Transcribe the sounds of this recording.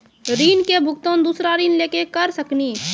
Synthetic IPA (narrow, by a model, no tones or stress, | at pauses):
ɾiːnkebʱʊk̚t̪õd̪uːsɾaɾiːnleːkekəɾsəkniː